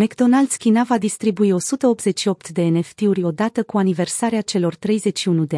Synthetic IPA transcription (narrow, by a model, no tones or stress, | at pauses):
mekd̪o̞nald̪skʲinavad̪ist̪ɾibuio̞sut̪əo̞p̚t̪ze̞t͡ʃʃio̞pt̪d̪e̞ːne̞ft̪iuɾʲo̞d̪at̪əkuanive̞rsaɾeat͡ʃe̞lo̞rt̪ɾe̞jze̞t͡ʃʃiunud̪e